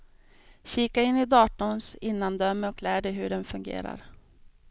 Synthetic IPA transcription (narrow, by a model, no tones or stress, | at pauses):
ɕiːkaɪnːɪd̪ɑːʈʊnsɪnːand̪œmːɔkʰlæːɖɛjɦɵɖɛnfɵŋɡḛːɾa̰ɾ